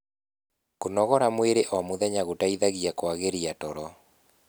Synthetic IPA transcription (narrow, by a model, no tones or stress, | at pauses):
konɔɣɔɾamweɾeʔwamoðɛɲaɣotaiðaɣiakwaɣeɾiatɔɾɔ